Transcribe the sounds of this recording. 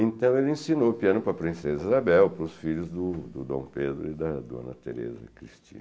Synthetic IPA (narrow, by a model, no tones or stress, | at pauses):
ẽnt̪ɐ̃w̃elɪẽsinopiɐ̃nʊpɾɐpɾĩsezizabɛwpɾʊsfiʎʊzd̪ʊd̪ʊd̪õ̰w̃ped̪ɾʊɪd̪ɐd̪uɐ̰̃nɐt̪eɾḛzɐ̰kɾist͡ʃḭ̃n